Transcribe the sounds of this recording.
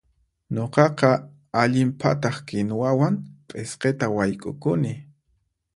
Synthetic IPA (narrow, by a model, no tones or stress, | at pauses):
ɲoqɑqɑ | aʎɪmpʰa̰t̪ɑχkɪnwawaŋpʼesqet̪awajkʼʊ̰kʊnɪ